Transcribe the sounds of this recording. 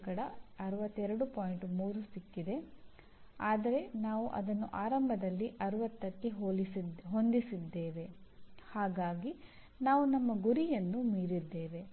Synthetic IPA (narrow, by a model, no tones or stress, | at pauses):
kɐɽɐɐɾuʋɐt̪ːɛɾɐɽupoːjɳʈmuːɾusikːid̪e̞ | aːd̪ɐɾe̞naːʋuʔɐ̰d̪ɐnːuʔaːɾɐmbʱɐd̪ɐlːiʔɐɾɐʋɐt̪ːɐk̪ːiɦolɦo̞nd̪isid̪ːe̞ːʋe̞haːɡaːɡi | naːʋunɐmːɐɡuɾijɐnːumiːɾid̪ːe̞ːʋe̞